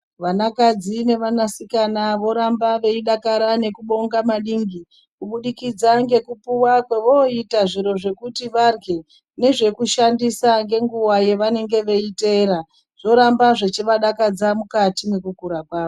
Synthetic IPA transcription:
ʋanakad͡zine̞ʋanasikanaʋo̞ɾambaʋe̞iɗakaɾane̞kuɓo̞ŋɡamaɗiŋɡi | kuɓuɗikid͡zaŋɡe̞kupuwakwe̞ʋoitaʐiɾo̞ʐe̞kutiʋarɡe̞ | ne̞ʐe̞kuʃandisaŋɡe̞ŋɡuwaje̞ʋane̞ŋɡe̞ʋe̞ite̞ɾa | ʐ̥o̞ɾambaʐet͡ʃiʋaɗakad͡zamukatine̞kukuɾakwaːʋo

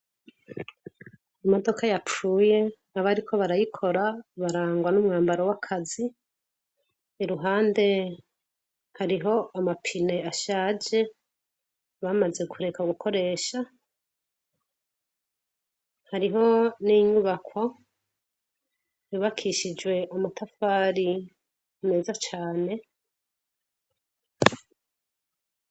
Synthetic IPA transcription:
amo̞do̞kʰajap͡fuːje̞ | aβaɾikʰo̞βaɾajikʰo̞ɾaβaɾaːŋɡwanumŋaːmbaɾowakʰazi | ɾuɦaːnde̞ | haɾiɦo̞amapʰine̞aʃaːd͡ʒe̞ | βamaze̞ɡuɾe̞kʰauɡukʰo̞ɾe̞ːʃa | haɾiɦo̞niɲuβakʰwo | juβakʰiʃid͡ʒwe̞ʔamatʰafaːɾi | neːzat͡ʃaːne̞

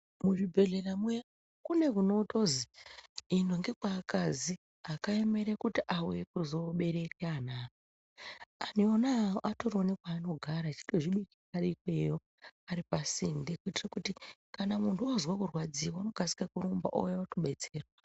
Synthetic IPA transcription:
muribʱe̞ɮeramuja | kune̞kuno̞toziinoŋɡe̞kwakazi | akaeme̞ɾekutiʔawjekuzo̞ɓe̞ɾe̞keanao | anionaːoʔato̞ɾonekwaːno̞ɡʱaɾat͡ʃi̥to̞ʐiɓikiaɾikwejo | aɾipasindekuitirakuti | kanamuntʰuazwakurwad͡ziwauno̞ɡʱasi̥kakuɾumba̰ʔo̰jaatoɓe̞t͡se̞ːrwa

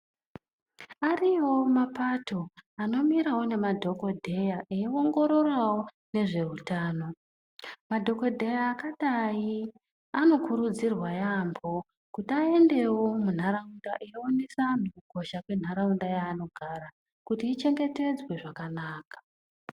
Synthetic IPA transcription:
ariwo̞mapatʰo̞ano̞miɾawo̞ne̞madʱo̞ko̞dʱe̞jaʔeio̞ŋɡo̞ɾo̞rawo̞ | ne̞ʐe̞utaːno̞ | madʱo̞ko̞dʱe̞jaːkaɗai | ano̞kʰuɾud͡zirwajambo̞ | kutiae̞nde̞wo̞mun̤aɾaundaʔejoonesamukuɡʱo̞ʃakwe̞n̤aɾaundajaːno̞ɡʱaɾa | kutiːt͡ʃe̞ŋɡe̞te̞d͡zwe̞ʐakanaːkḁ

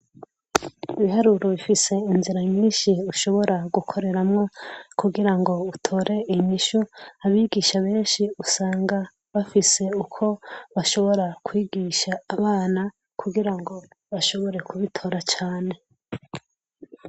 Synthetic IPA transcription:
iβiɦaɾuɾoβifise̞inziɾajimiːnʃiuʃo̞βo̞ɾaɡukʰo̞ɾe̞ɾamŋo̞kuɡiɾaŋɡo̞utʰo̞ɾʔe̞iɲiʃuaβiːɡiʃaβe̞ːnʃiusaːŋɡa | βafise̞ukʰo̞βaʃo̞βo̞ɾakwiːɡiʃaːβaːna | kʰuɡiɾaŋɡo̞ | βaʃo̞βo̞ɾe̞kʰuβitʰo̞ɾat͡ʃaːne̞

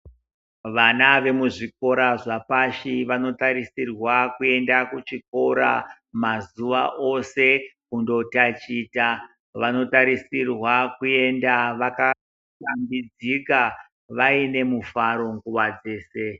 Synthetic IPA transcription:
ʋanaʋe̞muʐik̚o̞ɾaʐapaʃiʋano̞taɾisirwakue̞ndakut͡ʃiko̞ɾa̰ | mazuʋa̰ʔo̞se̞kundo̞tat͡ʃiːta | ʋano̞taɾisirwakue̞ndaʋaka | tambid͡zika | ʋaine̞mufaɾo̞ŋɡuʋad͡ze̞ːse̞

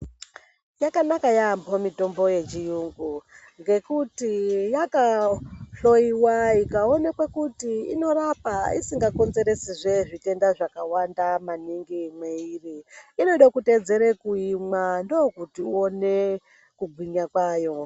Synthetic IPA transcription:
jakanakajambomito̞mbo̞je̞t͡ʃijuŋɡu | ŋɡe̞kutijakaɬo̞iwaikaonekwekutiino̞rapaḭsiŋɡako̞nze̞ɾe̞siʐe̞ʐite̞ndaʐakawandamaniŋɡimweiriino̞ɗakute̞d͡ze̞ɾekuimandokutiuone̞ | kuɡʱwiɲakwaːjo̞

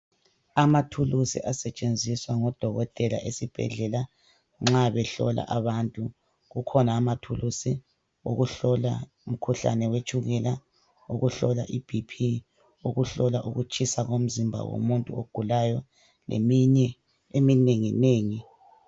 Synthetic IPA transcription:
amatʰulusḭʔasɛt͡ʃʼend͡zʱiswaŋɔd̥ʱɔɣɔtʼɛla̰ʔesib̥ʱɛ̰ɮɛla | ŋ͡ǁaβɛɬɔ̰la̰ʔaβantʼu | ɣukʰɔnaːmatʰulusi | o̰ɣuɬɔla | um̩kʰuɬa̰nɛwet͡ʃʼuɣɛla | uɣuɬɔlaʔib̥ʱipʰi | uɣuɬɔlaʔuɣut͡ʃʰʼisaɣom̩zimbʱa̰wo̰muntʼuoɡ̥ʱulajɔ | lḛmiɲɛ | emineŋineːŋi

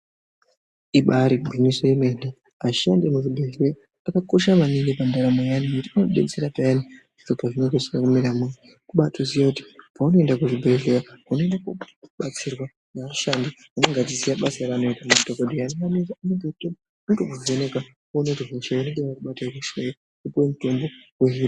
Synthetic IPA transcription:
iɓaɾibɡʱinisoimene | aʃandimuʐibʱe̞ɮea | akako̞ʃamaniŋɡipandaɾamojanikutinoɗet͡seɾapajani | iʐopaʐinokosiakumiɾamwani | kuɓatuzijakuti̥pauno̞endakuʐibʱeɮejaaunoendaku | ɓat͡sirwa | naaʃandi | anoŋɡatizijaɓasaɾano̞itamatokodʱianimanizaaneɡeto | nuŋɡokod͡zoneka | onetoɦoʃaeneŋɡeʋakuɓatakuʃejo | kupowemuto̞mbo̞eɦira

